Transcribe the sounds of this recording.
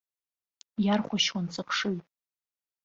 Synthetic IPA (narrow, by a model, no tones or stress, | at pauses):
jarχʷaʃwant͡sʰʼapʰʂɨl